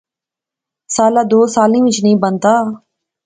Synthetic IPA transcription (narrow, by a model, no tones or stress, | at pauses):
saːlaːd̪oːsaːlĩːʋɪt͡ʃnĩːbənt̪aː